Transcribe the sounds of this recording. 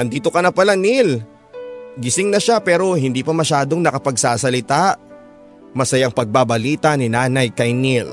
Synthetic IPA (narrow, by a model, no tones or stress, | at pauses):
ʔɐnd̪iːt̪o̞kɐnɐpɐlanil | ɡɪsɪŋnɐʃapɛːɾo̞ɦɪnd̪iːpɐmɐʃaːd̪o̞ŋnɐkɐpɐɡ̚saːsɐlɪt̪aʔ | mɐsɐjaŋpɐɡ̚babɐliːt̪ɐnɪnaːnɐjkɐjnil